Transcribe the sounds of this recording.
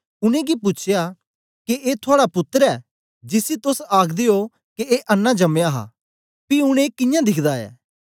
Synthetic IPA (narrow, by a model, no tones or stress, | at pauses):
ʊnẽɡipʊt͡ʃʰja | keʔeːt̪ʰʊaːɽapʊt̪ːəɾɛː | d͡ʒɪsit̪ʊsaːkʰd̪ɪjo | keeːʔɐnːãd͡ʒɐmjaɦa̰ː | piʊɽ̃eːkɪ̃jãːd̪ɪkʰd̪aːɛ̰ː